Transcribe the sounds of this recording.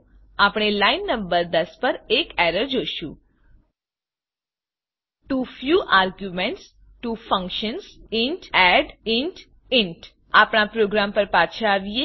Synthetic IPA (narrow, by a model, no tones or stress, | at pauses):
apɽ̃elajnːə̃mbəɾd̪əspəɾekɛɾəɾd͡ʒoʃũ | tufjuʔaɾɡjumeɳʈs | ʈufə̃ŋkʃənsɪɳʈɛɖɪɳʈ | ɪɳʈ | apɽ̃apɾoɡɾampəɾpat͡ʃʰaaʋije